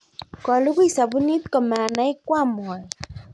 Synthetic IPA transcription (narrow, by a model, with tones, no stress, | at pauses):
kɔ˨lʊ˦ku˦i˨sa˨bu˦ni˦t̪kɔ˨ma˨na˨˦ɪ˦kwa˦˨m˨ɔ˨